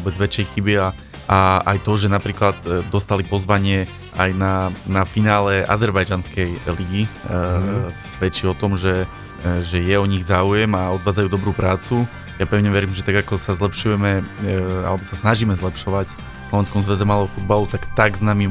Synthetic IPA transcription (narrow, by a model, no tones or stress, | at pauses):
ʋɔbɛd͡zʋɛt͡ʃjɛjxibia | aajt̪ɔʒɛnapɾiːklad̪d̪ɔst̪alipɔzʋaɲɪɛ | ajnanafinaːlɛʔa̰zɛɾbajd͡ʒanskɛjliɡi | sʋɛt͡ʃiɔt̪ɔmʒɛ | ʒɛjɛɔɲiɣzaːujɛmaɔd̪ʋaːd͡zajuːd̪ɔbɾuːpɾaːt͡su | japɾɛʊɲɛʋɛɾiːmʒɛt̪aɡakɔsazlɛpʃujɛmɛa̰lɛbɔsasnaʒiːmɛzlɛpʃɔʋac | fslɔʋɛnskɔmzʋɛzɛmalɛɦɔfud̪balut̪akt̪aɡznami